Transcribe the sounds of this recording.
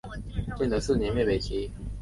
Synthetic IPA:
t͡ɕjɛ˥˩nd̪ə˨˦sɹ̩˥˩njɛ˧˥nɥɛ˥˩pe˨˩ɪt͡ɕʰi˧˥

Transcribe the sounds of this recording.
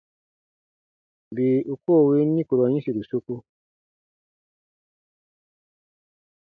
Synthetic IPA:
bi˨u˨ko˦˨we˦nːĩ˦ku˨ɾɔ˨ɲĩ˦si˨ɾu˨su˦ku˦

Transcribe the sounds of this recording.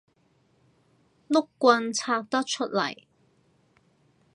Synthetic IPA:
lʊ˥kːʷɐ˧nt͡sʰaː˧k̚t̪ɐ˥k̚t͡ʃʰɵ˥t̚lɐ̰˨˩j

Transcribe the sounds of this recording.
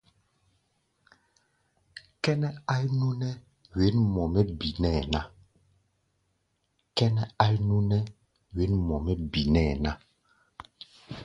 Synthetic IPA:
kɛ˦nɛ˦a˦jnu˦nɛ˦ | we˨˦nmɔ˨mɛ˦bi˨nɛ˦˨na˦ | kɛ˦nɛ˦a˦jnu˦nɛ˦ | we˨˦nmɔ˨mɛ˦bi˨nɛː˦˨na˦

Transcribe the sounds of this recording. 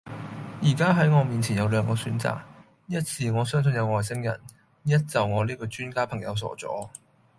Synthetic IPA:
jiː˨˩kaː˥ɦɐ˨˥jŋɔː˨˧miː˨nt͡sʰiː˨˩njɐ˨˧wlœː˨˧ŋkɔː˧syː˨˥nt͡sa̰ː˨k̚ | jɐ˥t̚siː˨ŋɔː˨˧sœː˥ŋs̬ɵ˨njɐ˨˧wŋɔː˨˩jsɪ˥ŋjɐ̰˨˩n | jɐ˥t̚t͡sɐ˨wŋɔː˨˧liː˥kɔː˧t͡ʃyː˥nkaː˥pʰɐ˨˩ŋjɐ̰˨˧wsɔ̰ː˨˥t͡sɔ̰ː˨˥

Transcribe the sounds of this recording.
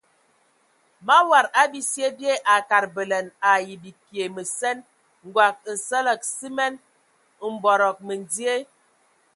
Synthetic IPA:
ma˦wa˨ɾa˦bi˦si˦e˦bje˦ʔa˨ka˨ɾbə˨lɛ˨na˨ji˨bi˨ki˨e˨mə˨sɛ˦n | ŋ̩˨ɡwa˨k̚n̩˨sə˦lə˨k̚si˦mɛ˦n | m̩˨bɔ˨ɾɔ˨k̚mə˨n˨d͡zi˦e˦

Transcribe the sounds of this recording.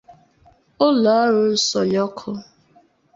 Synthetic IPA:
ʊ˦la˨a˦ɾʊ˦sɔ˨jɔ˦kʰʊ˦

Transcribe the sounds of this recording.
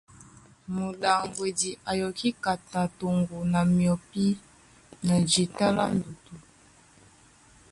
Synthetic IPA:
mo˨ɗa˨ŋɡwe˨di˨ʔa˨jɔ˨ki˦ka˨ta˨to˨ŋɡo˨na˨mi˨ɔ˨pi˦ | na˨d͡ʒi˨ta˦la̰˦n˦du˨tu˨

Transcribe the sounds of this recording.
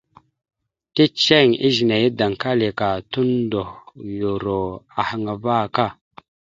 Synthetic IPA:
ti˦t͡ʃe˦˨ŋḭ˦ʒi˨na˨ji˦da˨ŋ˨ka˦li˨ka˨tu˦ndo˨hjo˨ɾo˨a˨ha˨ŋa˨va˦˨ka˦˨

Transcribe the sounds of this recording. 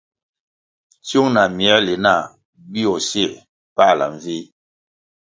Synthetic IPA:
tju˦ŋna˨mi˨ɛ˦li˨na˦˨ | bi˦ɔ˨se˦˨ | pa˦˨la̰˨ɱ˦˨vi˦

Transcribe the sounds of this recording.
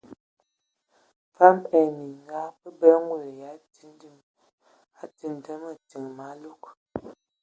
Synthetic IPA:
fa˦mɛ˨mi˨ŋɡa˦pə˦bɛ˦ŋ˦ɡu˨ja˨˦ti˦ndm | a˨˦ti˨n˨tə˦mə˨ti˨ŋma˨˦lu˦k̚

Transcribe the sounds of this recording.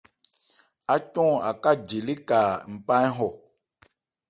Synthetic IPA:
a˦t͡ʃɔ̃˦˨a̰˨ka˦˨d͡ʒe˨li˦ka˨m̩˨pã˦jɦɔ˨

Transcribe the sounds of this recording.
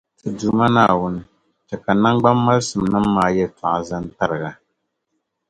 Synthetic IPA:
tɨ˨du˨˦ma˦naː˨wʊ˦nɨ˦ | t͡ʃɛ˨ka˨na˦ŋɡ͡ba˦mːa˦lsɨ˨m˨nɨ˦m̩ː˦aː˦˨jɛ˦ta˨ʔa˨za˦n˦ta˦ɾɨ˨ɣa˨

